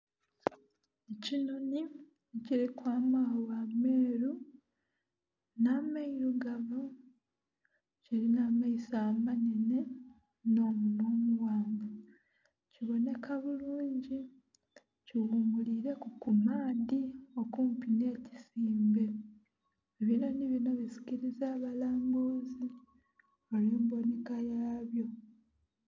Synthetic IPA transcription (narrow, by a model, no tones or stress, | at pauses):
ecinoni | ciɾikwaːmahowame̞ːɾu | naːmaiɾuɡaβu | ceɾinaːmaisaːmaɲene̞ | no̞ːmunoːmuwaːŋɡo | ciβo̞ne̞kʰaβuluːɲɟi | ciwumuliɾe̞kukumaːdio̞kuːmpine̞ːci̥siːmbe̞ | eβino̞niβino̞βizi̥ciɾizaːβalaːmbuzi | oleːmbo̞nikajaːβjo̞